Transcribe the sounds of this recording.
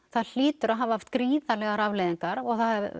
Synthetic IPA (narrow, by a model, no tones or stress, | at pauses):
θaðl̥ɪːt̪ʏɾaɦavhaft̪̚kɾiːðalɛɣaɾavlɛjðiŋkaɾɔɣθaðɛɾ